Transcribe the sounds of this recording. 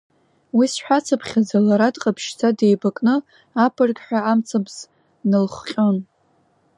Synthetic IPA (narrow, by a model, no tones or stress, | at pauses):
wisħʷᶣat͡sʰapʰχʲazalaɾadqʼapʰʃt͡sʰade̞jbakʼnɨ | apʰɨrɡʲʼħʷᶣaamt͡sʰabz̥ | nɨlχʷqʲʼo̞n